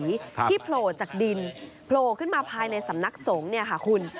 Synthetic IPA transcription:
tʰiː˥˩pʰloː˧˩t͡ɕaː˨˩k̚di˧n | pʰloː˧kʰɯ˥˩nmaː˧pʰaː˧jna˧jsa˩˦mna˦˥k̚so˩˦ŋni˥˩ɐka˥˩kʰu˧n

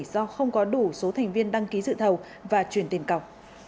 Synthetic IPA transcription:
zɔ˧xə˧wŋ͡mkɔ˨˦ɗu˧˩so˨˦t̪ʰɛ˨˩jŋ̟vi˧ənɗa˧ŋki˨˦zɨ̰˧˨t̪ʰə˨˩w | vaː˨˩t͡ɕwi˨˩ənt̪i˨˩nka˨˩w̚

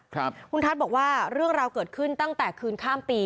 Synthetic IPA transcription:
kʰpʰu˧nt̪ʰa˦˥bɔː˨˩k̚waː˥˩ɾɯ˥˩əŋɾaː˧wkɤː˨˩t̪̚kʰɯ˥˩nt̪a˥˩ŋt̪ɛː˨˩kʰɯː˧nkʰaː˥˩mpiː˧

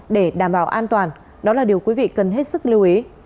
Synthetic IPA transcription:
ɗe˧˩ɗaː˧˩mɓaː˧˩wʔaː˧nt̪waː˨˩n | ɗɔ˨˦laː˨˩ɗi˨˩əwki˨˦vḭ˧˨kə˨˩nɦe˦˥t̚sɨ˦˥k̚li˧əwʔi˨˦

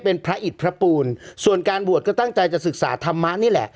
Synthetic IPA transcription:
pe˧npʰɾa˦˥ʔi˨˩t̪̚pʰɾa˦˥puː˧nsu˨˩ənkaː˧nbu˨˩ət̪̚kɔ˥˩t̪a˥˩ŋt͡ɕa˧jt͡ɕa˨˩sɯ˨˩k̚sa̰ː˩˦t̪ʰa˧mːa˦˥ʔniː˥˩lɛ̰˨˩ʔ

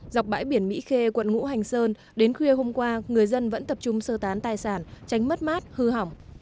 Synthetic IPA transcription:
za˨˩wk͡p̚ɓa̰ː˧˥jɓi˧˩ənmḭ˧˥xe˧kwə̰˧˨nŋṵ˧˥ɦa˨˩jŋ̟səː˧n | ɗe˨˦nxwi˧əɦo˧mkwaː˧ŋɨ˨˩əjzə˧nvə̰˧˥nt̪ə˨˩p̚t͡ɕʊ˧ŋ͡msəː˧t̪aː˨˦nt̪aː˨˩jsaː˧˩nt͡ɕa˨˦jŋ̟mə˦˥t̚maː˦˥t̚hɨ˧ɦa˨˩wŋ͡m

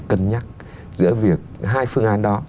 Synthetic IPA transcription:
kə˧˩nɲa˦˥t̚ | zɨ̰˧˥əvi˨˩ək̚ɦaː˧jfɨ˧əŋʔaː˨˦nɗɔ˨˦

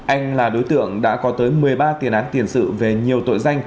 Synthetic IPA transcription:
ʔa˧jŋ̟laː˨˩ɗo˨˦t̪ɨ̰˧˨əŋɗa̰ː˧˥kɔ˨˦t̪əː˨˦jmɨ˨˩əjɓaː˧t̪i˨˩ənʔaː˨˦nt̪i˧˩ənsɨ̰˧˨ve˨˩ɲi˨˩əwt̪o̰˧˨jza˧jŋ̟

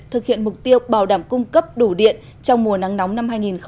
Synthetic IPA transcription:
t̪ʰɨ˨˩k̚hḭ˧˨ənmʊ˨˩k͡p̚t̪i˧əwɓaː˧˩wɗaː˧˩mkʊ˧ŋ͡mkə˦˥p̚ɗu˧˩ɗḭ˧˨ən | t͡ɕɔ˧wŋ͡mmu˨˩əna˨˦ŋnɔ˨˦wŋ͡mna˧mhaː˧jŋi˨˩nxə

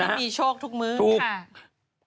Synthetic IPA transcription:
a˥˦miː˧˩t͡ɕʰoː˥˩k̚t̪ʰu˦˥k̚mɯː˧˥u˧˩˥

